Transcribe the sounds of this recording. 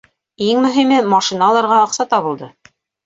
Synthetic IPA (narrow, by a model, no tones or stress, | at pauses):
iŋmɵ̆ɦimɘmɑʃinɑlˠɑɾʁɑɑqsɑt̪ɑβɤ̆lˠd̪ɤ